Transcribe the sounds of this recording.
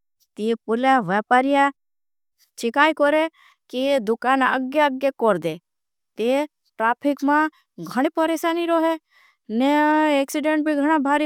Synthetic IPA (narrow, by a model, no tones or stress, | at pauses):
t̪ipʊlaʋaːpaːɾija | t͡ʃɪkaːikoɾe | kid̪ʊkaːnə̰ɡjaəɡjekɔɾd̪e | t̪e | ʈɾaːpʰɪkmã | ɡʱɐɽ̃epəɾeːʃaːniɾoːɦe | neeːksɪɖẽɳʈ̚bʱiɡʱɐɽ̃abʱaːɾi